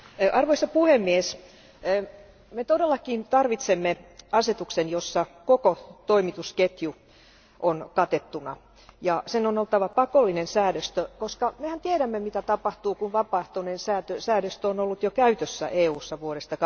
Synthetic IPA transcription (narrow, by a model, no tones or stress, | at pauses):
ʔɑrʋoisːɑpuhemːies | met̪odelːɑkint̪ɑrʋit̪semːeɑset̪uksenjosːɑkokot̪oimit̪usket̪ju | ʔonkɑt̪et̪ːunɑ | jɑsenonolt̪ːɑʋɑpɑkolːinensæːɾøst̪økoskɑmehænt̪ieɾæmːemit̪æt̪ɑpɑht̪uːkunʋɑpɑht̪onensæːt̪øsæːɾøst̪øonolːut̪jokæyt̪øsːæ̰ʔeːuːsːɑʋuoɾest̪ɑk